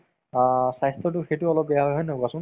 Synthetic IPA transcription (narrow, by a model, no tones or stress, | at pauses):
sajstɔt̬ʊxejtuɔlɔp̚bɛjaɦɔjɦɔjnokasʊn